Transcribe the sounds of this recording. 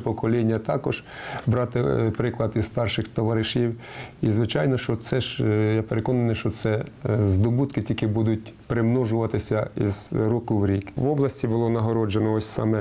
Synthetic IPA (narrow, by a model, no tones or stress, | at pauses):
pɔkɔlʲinʲːɐt̪ɑkɔʒ̥ | bɾɑt̪ɪpɾɪklˠɐd̪izst̪ɑrʃɪxt̪ɔʋɐɾɪʃʲiwizʋɪt͡ʃɑjnɔʃt͡ʃɔt̪sɛʒjapeɾekɔnɐnɪjʃt͡ʃɔsɛzd̪ɔbut̪kɪtʲilʲkɪbud̪ʊt̚ʲpɾɪmnɔʒʊʋɐt̪ɪsʲɐḭzɾukʊwɾʲikʋɔblˠɐsʲtʲibʊlˠɔnɐɦɔɾɔd͡ʒenɔɔsʲsɑ̰mɛ